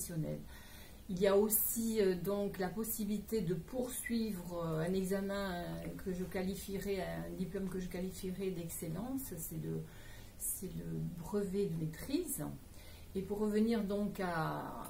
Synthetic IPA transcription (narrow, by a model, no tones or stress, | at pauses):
sjɔnɛ̰l | iliaosiød̪ɔ̃klapɔsibilit̪ed̪əpʰuʁsɥivʁøɛ̃nɛɡzamɛ̃kəʒəkalifiʁɛɛ̃d̪iplɔmkəʒəkalifiʁɛd̪ɛkselɑ̃ssɛlə | sɛləbʁəvɛd̪əmet̪χiz | epuʁːəvəniʁd̪ɔ̃ka